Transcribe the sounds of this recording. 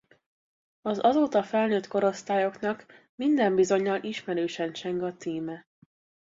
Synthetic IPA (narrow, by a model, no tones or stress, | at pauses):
ɒzɒzoːt̪ɒfɛlnøːt̪ko̞ɾo̞st̪aːjo̞knɒk | mind̪ɛmbizo̞ɲːɒlʔiʃmɛɾøːʃɛnt͡ʃɛŋɡɒt̪iːmɛ